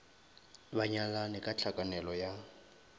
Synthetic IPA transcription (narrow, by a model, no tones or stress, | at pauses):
baɲalanɛkʼat͡ɬʰakʼanɛlɔja